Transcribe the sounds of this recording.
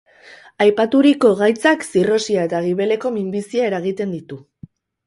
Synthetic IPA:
ajpat̪uɾiko̞ɣajt͡saksiro̞siaet̪aɣ̞iβ̞e̞le̞ko̞mimbisiae̞ɾaɣ̞it̪e̞nd̪it̪u

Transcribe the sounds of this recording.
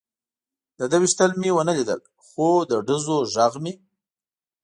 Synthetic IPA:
d̪əd̪awiʃt̪əlmiwənəlid̪ə̰l | xod̪əɖəzoʒaɣmi

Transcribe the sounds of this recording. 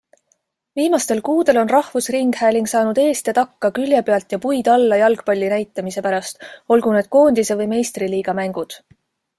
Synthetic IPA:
viːmɑst̪e̞lkuːd̪̥e̞lo̞nrɑhvusriŋɡ̥hæːliŋɡ̥sɑːnud̪̥e̞ːst̪et̪ɑkːɑkylʲjepe̞ɑlt̪jɑpujd̪̥ɑlːɑjɑlɡ̥pɑlʲːinæjt̪ːˑɑmise̞pæɾɑst̪o̞lɡ̥une̞d̪̥̚ko̞ːnd̪̥ise̞vɤjme̞jst̪riliːɡ̥ɑmæŋɡ̥ud̪̥

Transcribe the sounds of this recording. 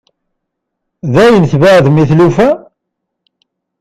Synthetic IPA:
ðæjənθvaʕðmiθlufæ

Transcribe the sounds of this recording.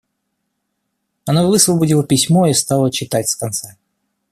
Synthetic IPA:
ɐnovɨsvəbʊdʲilˠəpʲɪsʲmoist̪alˠət͡ɕɪt̪atʲskɐnt̪sa

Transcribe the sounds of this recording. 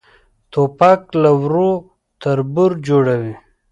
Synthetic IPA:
t̪opaklawɾo | t̪ʰaɾbuɾd͡ʒoɽawi

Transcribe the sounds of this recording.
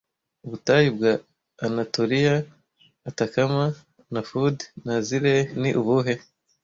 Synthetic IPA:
uβutajib̚ɡaː | natoɾijaː | takama | nafudnaziɾeniʔuβuɦe

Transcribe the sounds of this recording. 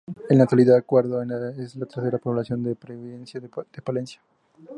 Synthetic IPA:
enak̚t̪waliðaðakweɾðoenaeslat̪eɾse̞ɾapo̞βlasjo̞nd̪epɾeβiðensjad̪̥epale̞nsjḁ

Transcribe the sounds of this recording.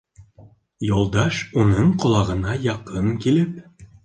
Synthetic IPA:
jolˠd̪ɑʃunɤɴqŏlˠɑʁɤ̆nɑjɑqɤŋkilɘp̚

